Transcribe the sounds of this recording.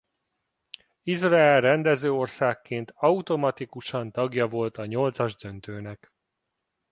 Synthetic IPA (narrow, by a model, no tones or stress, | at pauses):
izraɛlrɛnd̪ɛzøːo̞rsaːkːeːnt̪ɒut̪o̞mɒt̪ikuʃɒnt̪ɒɡjɒvo̞lt̪ɒɲo̞lt̪sɒʒd̪ø̞nt̪øːnɛk